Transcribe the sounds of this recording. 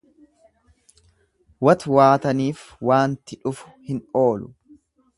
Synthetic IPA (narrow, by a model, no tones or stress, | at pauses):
wɐt̪waːt̪ɐniːfwaːnt̪ɪᶑʊfʊ̥hɪno̞ːlʊ